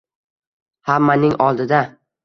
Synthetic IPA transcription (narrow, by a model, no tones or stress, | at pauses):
hamːanɪŋɒlˠd̪ɪd̪a